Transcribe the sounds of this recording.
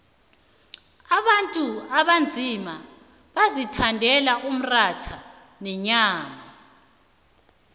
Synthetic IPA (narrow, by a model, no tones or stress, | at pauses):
aβantʼuaβand͡zʱima | βazitʰandʱɛlaʔum̩ratʰa | nɛɲaːma